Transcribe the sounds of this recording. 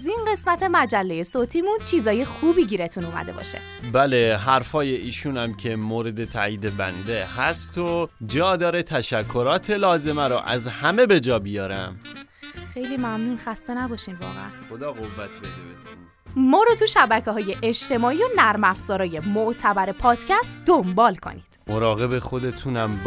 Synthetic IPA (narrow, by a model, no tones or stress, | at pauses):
zinɢe̞smæt̪ʰe̞mæd͡ʒælːeje̞soːt̪ʰiːmunt͡ʃʰizɒːje̞xuːbiːɟiːɾe̞t̪ʰunuːmæ̰d̪e̞bɒ̰ːʃḛ | bæle̞ɦæɾfɒːje̞ʔiːʃuːnæmcʰe̞moːɾed̪e̞t̪ʰæ̰iːd̪ebæ̰nd̪ehæst̪ʰod͡ʒɒːd̪ɒːɾet̪ʰæʃækʰːoɾɒːt̪ʰe̞lɒːze̞mæɾoʔæ̰zhæme̞be̞d͡ʒɒːbijɒːɾæm | xe̞jlimæmnuːnxæst̪e̞næbɒːʃimvɒ̰ːɣɛ̰ʔæ̰nxod̪ɒːɣovːæt̪ʰbed̪ebet̪ʰun | mɒːɾot̪ʰuʃæbæcʰeɦɒːje̞ʔeʃt̪ʰe̞mɒːiːjonæɾmæfz̥ɒːɾɒːje̞moʔt̪ʰæbæɾe̞pʰɒːd̪̥cʰæst̪d̪ombɒːlkʰo̞̰nḭːd̪̥moɾɒːɣe̞be̞xo̞d̪e̞t̪ʰunæmb